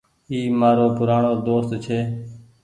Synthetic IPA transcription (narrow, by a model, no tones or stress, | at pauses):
iːmaːɾoːpʊɾaːɳoːd̪oːst̪t͡ʃʰeː